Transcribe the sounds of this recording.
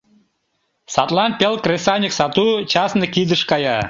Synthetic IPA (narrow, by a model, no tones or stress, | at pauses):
sɑt̪lˠɑnpʲelˠkrʲesɑnʲiksɑt̪ut͡ɕɑsnɤkid̪əʃkɑjɑ